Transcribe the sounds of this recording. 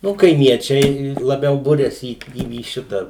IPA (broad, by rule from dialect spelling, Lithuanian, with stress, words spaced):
ˈnʊ kɐɪˈmʲiɛt͡ʃʲɛɪ lˠɐˈbʲɛʊ ˈbʊrʲɛsʲɪ iː iː ˈʃʲɪtɑː